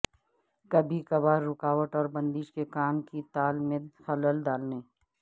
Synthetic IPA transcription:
kɐbʱikɐbaːɾːʊkaːʋəʈɔːɾbə̃nd̪iʃkekaːmkit̪aːlmẽxɐləld̪aːlne

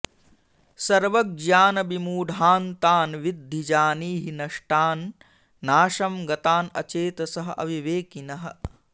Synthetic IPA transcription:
sɐɾʋɐɡ̚d͡ʒaːnɐbimuːɖʱaːnt̪aːnʋid̪ʱːid͡ʒaːniːɦinɐʂʈaːnː | aːʃɐmɡɐt̪aːnɐ̰t͡ʃeːt̪ɐsɐɦɐʔɐ̰ʋiʋeːkinɐɦɐ̰̆

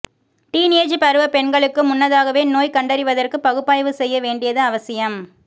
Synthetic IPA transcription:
ʈiːneːd͡ʒpɐɾɯʋɐpɛɳɡɐɭɯkːɯmʊnːɐðaːɣɐʋeːnoːjkɐɳɖɐɾɪʋɐðɐrkɯpɐɣɯpːaːjʋɯsɛjːɐʋeːɳɖɪjɐðɯɐʋɐsɪjɐm

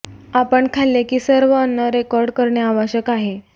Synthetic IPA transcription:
apəɳkʰalːekiːsəɾʋəːnːəɾekɔɾɖkəɾɳjaaʋaɕəkaɦe

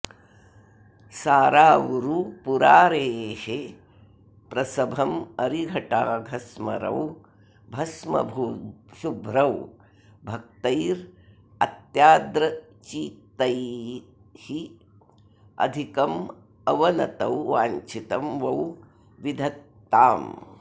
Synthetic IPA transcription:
saːɾaːʋuɾupuɾaːɾeːhe | pɾɐsɐbʱɐmɐɾiɡʱɐʈaːɡʱɐsmɐ̰ɾɐ̰w | bʱɐsmɐ̰bʱuʃubʱɾɐw | bʱɐk̚t̪ɐjɾ | ɐt̪jaːd̪ɾɐ | t͡ʃiːt̪ɐj | hi | ɐ̰d̪ʱikɐm | ɐʋɐnɐ̰t̪ɐwʋaːɲt͡ʃit̪ɐmʋɐw | ʋid̪ʱɐt̪ːaːm

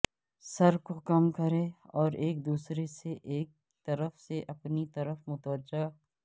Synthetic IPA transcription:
sɐɾkokɐmkɐɾẽɔːɾeːk̚d̪uːsɾeseʔeːk̚ | t̪ɐɾəfseʔɐpnit̪ɐɾəfmʊt̪ʋəd͡ʒa

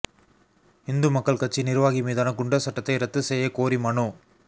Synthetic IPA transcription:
ɪnd̪ɯmɐkːɐɭkɐʈt͡ʃːinɪɾɯʋaːɣimiːðaːnɐkːʊɳɖɐsɐʈːɐt̪ːɐɪɾɐt̪ːɯsɛjːɐkoːɾimɐɳu

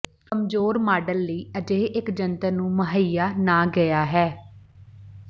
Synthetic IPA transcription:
kəmd͡ʒoːɾmaːɖəlːiːəd͡ʒeːʔɪkd͡ʒənt̪ənũːməɦəjaːnãːɡəjaːɦɛː

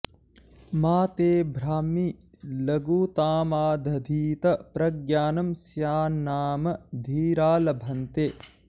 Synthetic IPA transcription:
maːt̪eːbʱɾaːmi | lɐɡuːt̪aːmaːd̪ʱɐd̪ʱiːt̪ɐpɾɐɡjaːnɐmsjaːnaːmɐd̪ʱiːɾaːlɐbʱɐnt̪eː

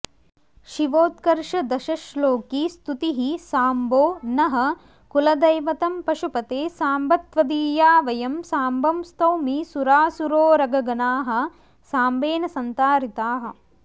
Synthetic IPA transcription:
ʃiʋoːt̪kɐɾʂɐd̪ɐʃɐʃloːkiːst̪ut̪iɦisaːmboːnɐɦɐ̆ | kulɐd̪ɐjʋɐt̪ɐmpɐʃupɐt̪eːsaːmbɐt̪ʋɐd̪iːjaːʋɐjɐmsaːmbɐmst̪ɐwmisuɾaːsuɾoːɾɐɡɐɡɐnaːɦɐ̆ | saːmbeːnɐsɐnt̪aːɾit̪aːɦɐ̆

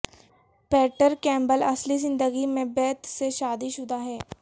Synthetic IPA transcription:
pɛːʈəɾkɛ̃ːmbəlɐslizɪ̃nd̪əɡimẽbɛːt̪seʃaːd̪iʃʊd̪ʱaɦɛː

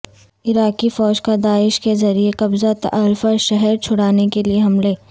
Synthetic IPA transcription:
ɪɾaːkifɔːd͡ʒkad̪aːɪʃkezɐɾieqɐbzat̪ʔɐɾfəɾʃɛɦɛɾt͡ʃʰʊɽaːnekelieɦɐmleː

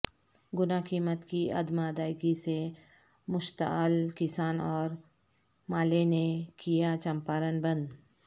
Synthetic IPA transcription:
ɡʊnakiːmət̪kiɐ̰d̪mad̪aːɪɡise | mʊʃt̪a̰lkɪsaːnɔːɾ | maːlenekijat͡ʃɐmpaːɾənbə̃nd̪

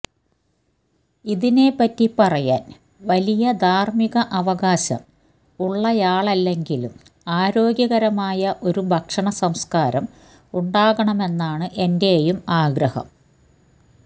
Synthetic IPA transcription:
iðine̞pːɐtːipɐrɐja̰ːn | ʋɐlijɐd̪ʱaːrmiɣɐʔɐʋɐɣaːɕɐ̰m | uɭːɐjaːɭɐlːe̞ŋɡilum | aːɾo̞ːɡjɐɣɐɾɐmaːjɐʔo̞ɾubʱɐkʂɐɳɐsɐmskaːɾɐm | uɳɖaːɣɐɳɐme̞nːaːɳɨʔe̞nde̞ːjumaːɡɾɐhɐ̰m

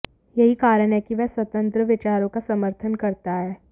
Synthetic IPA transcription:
jɐɦikaːɾəɽ̃ɦɛkiʋɛɦswɐt̪ə̃nt̪ɾəʋɪt͡ʃaːɾõkasɐməɾt̪ʰənkɐɾt̪aɦɛː

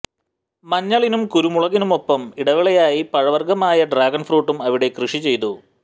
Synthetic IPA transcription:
mɐɲːɐɭinumkuɾumuɭɐɣinumo̞pːɐmiɽɐʋiɭɐjaːjipɐɻɐʋɐrɡɐmaːjɐɖraːɡɐnfruːʈːumɐʋiɽe̞krɨʂit͡ɕe̞jt̪u

